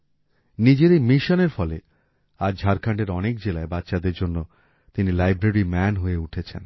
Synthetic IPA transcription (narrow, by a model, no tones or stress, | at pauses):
nid͡ʑeɾejmiʃoneɾfɔle | aɾd͡ʑʱaɾkʰaɳɖeɾɔnekd͡ʑelaebatːɕad̪eɾd͡ʑonːo | t̪inilajbɾeɾimɛnɦoeuʈʰet͡ɕʰḛn